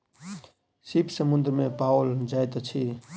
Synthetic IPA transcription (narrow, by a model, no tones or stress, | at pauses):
sipʰsəmund̪ɾmepaʊld͡ʒajt̪t͡ʃʰi